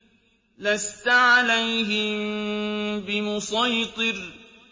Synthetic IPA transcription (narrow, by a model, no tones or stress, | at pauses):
last̪aʕalajɦɪmmbɪmʊsˤɑjt̪ˤɨɾ